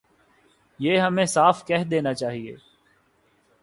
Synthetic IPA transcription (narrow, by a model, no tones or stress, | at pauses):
jeːɦɐmẽsaːfkɛɦd̪eːnat͡ʃaːɦiḛː